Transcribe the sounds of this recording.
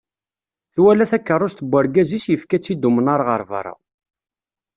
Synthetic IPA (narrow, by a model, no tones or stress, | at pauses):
θwælæθækːərˤːʊʃt̪əbʷːəɾɡæzisjəfkæt͡sːid̪umənaɾʁəɾˤvə̰ɾˤa̰